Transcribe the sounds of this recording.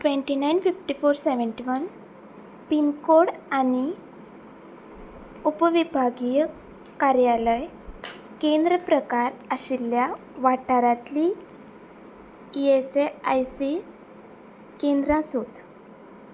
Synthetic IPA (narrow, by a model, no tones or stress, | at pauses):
ʈʋẽɳʈinajnfifʈifoɾseʋəɳʈiʋən | pinkoɽañi | upʋibʱaɡijə | kaɾjaləj | kẽnd̪ɾəpɾəkaɾəɕilja | ʋaʈaɾat̪li | eseajsi | kend̪ɾãsot̪